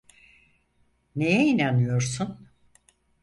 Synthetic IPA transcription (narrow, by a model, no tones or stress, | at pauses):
nejɛinanɯjo̞ɾsun